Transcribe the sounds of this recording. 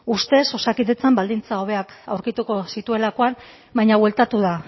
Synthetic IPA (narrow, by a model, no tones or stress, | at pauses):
ust̪e̞so̞sakiðe̞t͡sambald̪int͡sao̞β̞e̞aka̰wɾkit̪uko̞sit̪ue̞lako̞an | bajɲaβwe̞lt̪at̪uða